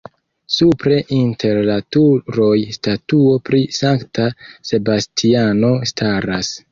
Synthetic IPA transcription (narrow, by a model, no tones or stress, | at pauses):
supɾe̞ʔintʰe̞ɾlatuɾo̞jstatuo̞pɾisaŋktase̞bastʰiano̞stʰaɾas